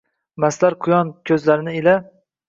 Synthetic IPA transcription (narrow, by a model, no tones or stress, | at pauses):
maslaɾqʰʊjɒnkʲʰɵzlaɾɪnɪɪla